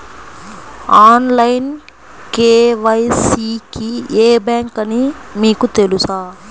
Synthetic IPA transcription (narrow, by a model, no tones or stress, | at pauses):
aːnlɐjn | keːʋɐjsiːkieːbjaːŋkɐnimiːkut̪e̞lusaː